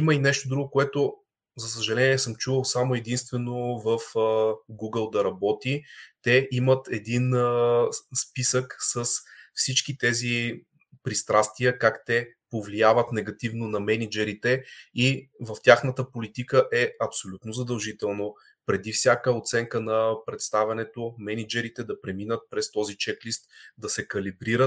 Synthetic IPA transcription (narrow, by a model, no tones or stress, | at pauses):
iməinɛʃt̪od̪ɾuɡokoɛt̪o | zɐsəʒɐlɛnʲiɛsəmt͡ʃuvəlˠsamoɛd̪inst̪vɛnovəfɡuɡəlˠd̪ɐɾɐbɔt̪it̪ɛʔimət̪ɛd̪in | spisəksəsfsit͡ʃkit̪ɛzi | pɾist̪ɾast̪viəkakt̪ɛ | povliavət̪nɛɡɐt̪ivnonɐmɛnid͡ʒɛɾit̪ɛivəft̪ʲjaxnət̪əpolit̪ikəʔɛɐpsolʲut̪nozɐd̪ɐlˠʒit̪ɛlˠno | pɾɛd̪ifsʲjakəot̪sɛŋkənɐpɾɛt̪st̪avʲɛnɛt̪omɛnid͡ʒɛɾit̪ɛd̪ɐpɾɛminət̪̚pɾɛst̪ɔzit͡ʃɛklist̪d̪ɐsɛkɐlibɾiɾət̪